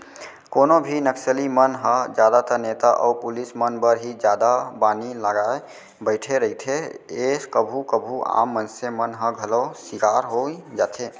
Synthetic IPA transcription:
konobʱinəksəlimənɦə̃d͡ʒad̪at̪ənet̪aʔɔ̰upulismənbəɾɦid͡ʒad̪abaniləɡae | bəɪʈʰeɾəɦit̪ʰeeskəbʱukəbʱua̰mːənsemənɦə̃ɡʱəlosikaɾɦod͡ʒat̪ʰe

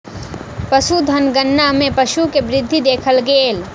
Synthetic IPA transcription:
pəʃud̪ʱɐnɡənːamẽpəʃukebɾɪd̪ʱːid̪eːkʰəlɡeːl

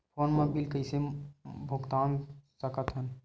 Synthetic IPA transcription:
pʰoːnmẽbilkəɪsebʱəɡt̪aːnsəkət̪ɦən

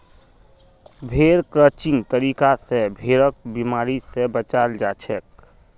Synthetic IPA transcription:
bʱeɾkɾət͡ʃɪ̃ŋɡt̪əɾikasebʱeɾək̚bimaːɾisebət͡ʃaːld͡ʒat͡ʃʰɛk̚

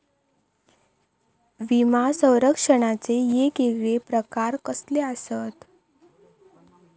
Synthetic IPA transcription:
ʋimasə̃w̃ɾəkʂəɽ̃at͡sejekeɡɭepɾəkaɾkəsleəsət̪

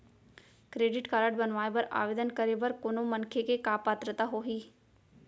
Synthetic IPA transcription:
kɾeːɖɪʈkaːɾəʈbənʋaːebɐɾa̰ːʋeːd̪ənkəɾebəɾkʊnomənkʰekekaːpaːt̪ɾət̪aɦoɦiː

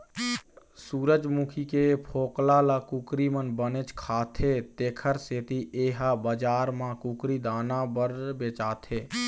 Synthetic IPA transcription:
suːɾəd͡ʒmukʰikepʰoːklalakukɾimənbənet͡ʃkʰaːt̪ʰet̪eːkʰəɾseːt̪iʔeːɦabəd͡ʒaːɾmãkukɾid̪aːnabəɾbeːt͡ʃaːt̪ʰeː

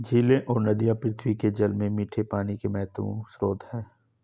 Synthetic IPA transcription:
d͡ʒʱiːlẽʔɔːɾnɐd̪ijapɾɪt̪ʰwiked͡ʒɐlmẽmiːʈʰepaːnikemɛɦt̪əʋõ̰sɾoːd̪hɛ̃ː

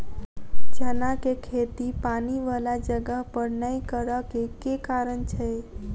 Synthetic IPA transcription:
d͡ʒənakekʰet̪ipaniʋalad͡ʒəɡəɦpəɾnəikəɾəkekekaɾənt͡ʃʰɛ

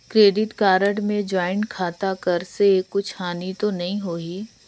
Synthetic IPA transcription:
kɾeːɖɪʈkaːɾəɽmẽd͡ʒaːɪnkʰaːt̪akɐɾsekːʊt͡ʃʰhaːnit̪onɐɦĩɦoːiː

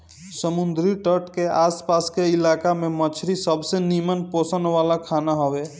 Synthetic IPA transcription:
səmund̪ɾiʈəʈkeaspaskeilakamemət͡ʃʰɾisəbsenimənposənʋalakʰanaɦɔwe

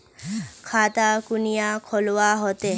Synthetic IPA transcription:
kʰat̪akunijakʰolwaɦɔt̪e

